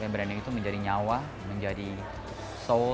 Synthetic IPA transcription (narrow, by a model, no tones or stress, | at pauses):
ɛmbəɾanɛkit̪uməɲd͡ʒadiɲawa | məɲd͡ʒadi | so